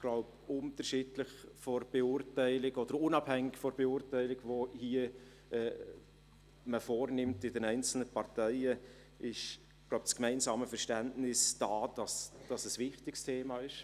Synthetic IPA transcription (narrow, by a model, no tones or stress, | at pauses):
ɡ̥laʊb | ʊntəɾʃɪdləχfɔrb̥eʊrtæɪlɪkɔd̥əɾʊnɑb̥hɛŋːɪkfɔɾb̥eʊːrtæɪlɪkvohiə | ɛː | məfoːɾnɪmtɪdɛnɛɪnt͡sl̩nəpʰɑrtɛɪə | ʔɪʃ | ɡ̥laʊbt͡skmɛɪnsɑːməfɛɾʃtæntnɪsd̥ɑːd̥ɑsd̥ɑsəsvɪχtɪkstʰeːmɑːɪʃ